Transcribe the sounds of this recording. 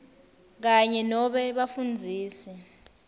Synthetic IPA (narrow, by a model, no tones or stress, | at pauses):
k̬aɲɛnɔɓɛɓafund͡zʱiːsɛ